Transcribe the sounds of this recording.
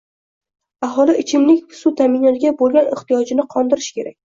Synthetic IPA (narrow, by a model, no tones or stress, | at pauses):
aɦɒlˠɪʔɪt͡ʃʰɪmnɪkʲsʊt̪ʰamɪnɒt̪ɡʲabolˠɡʲanɪht̪ijɒd͡ʒɪnɪqʰɒnd̪ɪɾɪʃkʲe̞ɾakʲ